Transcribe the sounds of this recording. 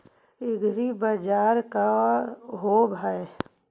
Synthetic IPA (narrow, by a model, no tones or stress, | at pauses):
ɪɡɾibəd͡ʒaːɾka | ɦoːbʱae